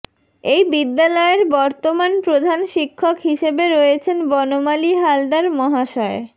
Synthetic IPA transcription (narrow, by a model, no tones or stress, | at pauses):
ejbid̪ːalɔeɾbɔɾt̪omanpɾod̪ʱanʃikʰːokɦiʃebeɾoet͡ɕʰenbɔnomaliɦalɖaɾmɔɦaʃɔe